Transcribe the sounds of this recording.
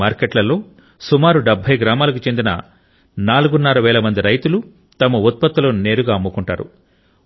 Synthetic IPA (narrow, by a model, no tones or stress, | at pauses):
aːɾkeʈlɐlːo̞ː | sumaːɾuɖebʱːɐjɡɾaːmaːluk̬ut͡ʃe̞nd̪inɐ̰ | naːluɡunːɐɾɐʋɛːɭɐmɐnd̪iɾɐjt̪ulu | t̪ɐmɐut̪̚pɐt̪ːuloːne̞ːɾuɡaːɐmːukuɳʈa̰ːɾṵ